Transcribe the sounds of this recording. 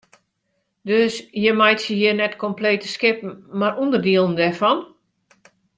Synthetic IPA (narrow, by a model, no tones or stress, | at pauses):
døsjəmajtjəjiərnɛtkɔmpleːtəskɪpn̩marundərdiəlˠən̩dɛfɔn